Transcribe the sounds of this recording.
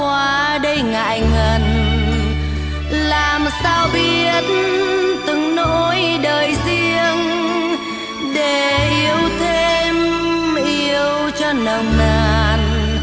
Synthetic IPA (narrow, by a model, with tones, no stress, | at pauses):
waː˧˦ | ɗə˧jŋa̰ː˧˨jŋə˨˩n | laː˨˩msaː˧wɓi˧ət̚nt̪ɨ˨˩ŋno˧˥jɗəː˨˩jzi˧əŋ | ɗe˧˩ʔi˧əwt̪ʰe˧mʔi˧əwt͡ɕɔ˧nə˨˩wŋ͡mnə˧˩n